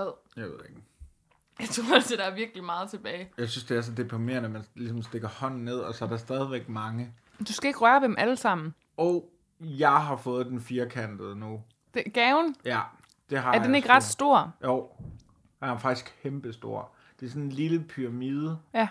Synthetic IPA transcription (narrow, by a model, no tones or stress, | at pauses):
ð̰ˠjɑ̈ɪʋe̝ð̰ˠeɡ̥ | jɑ̈ɪt͡sʰʁoɐælsed̥ɑ̈ɐʋiɐɡ̥limɑ̈ːð̩ˠt͡sʰe̝b̥ɛːɪjɑ̈ɪsynsd̥e̝æsɒd̥e̝pʰʁime̝ːɐnəmænlisɒ̽msd̥e̝ɡ̥ɐhɒ̽n̰n̩ne̝ð̞̰ˠɒ̽sɒ̽æɐɾ̥ɑ̈sd̥ɛð̞ˠiʋeɡ̥mɑ̈ŋə | d̥usɡ̥æe̝ɡ̥ʁɶɐdemʔæləsɑ̈m̰n̩ | ɒʊ | jɑ̈ɪɦɑ̈fɔ̽ːð̞̩ˠd̥enfiːɐkʰæn̰d̥ð̩ˠnu | d̥eɡ̥ɛʊnjæ | d̥e̝ɦɑ̈æɐ̥ene̝ɡ̥ʁɑ̈d̥sd̥o̝ɐ̰joʊ̰ | jɑfɑ̈ɡ̥d̥isɡ̥̚kʰemb̥əsd̥o̝ɐ̰ | d̥e̝æsɔ̽nenliləpʰyʁɑ̈miːð̞ˠəj